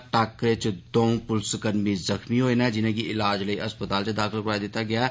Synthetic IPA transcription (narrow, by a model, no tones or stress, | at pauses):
ʈaːkɾet͡ʃd̪oːũpʊlskəɾmizɐxmiɦoːenaɛd͡ʒɪnẽkiʔɪlaːd͡ʒləiʔɐspət̪aːlt͡ʃed̪aːkʰɪlkɾaːjd̪eːt̪aɡɪjaɛ